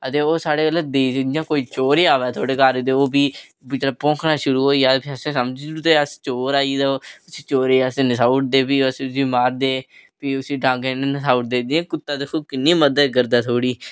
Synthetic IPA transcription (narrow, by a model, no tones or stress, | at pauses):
ət̪eːoːsaːɽeːɡələd̪eːdjãːkoːiːt͡ʃoːɾeːaːʋɛːt̪ʰoːɽeːkaːɾd̪eːoːbiː | mət̪ləbpõːkʰnãːʃʊɾuːɦoːijaːpʰəsẽːsəmd͡ʒt̪eːəst͡ʃoːɾaːid̪aːʊsiːt͡ʃoːɾeːasẽnəsaːʊʈ̚d̪eːpiːəssiːmaːɾd̪eːpiːʊsiːɖãːŋɡennəsaːʊʈ̚d̪eːd͡ʒẽːkʊt̪ːãːd̪ekʰoːkɪnːiːməd̪əd̪kəɾd̪aːt̪ʰoːɽiː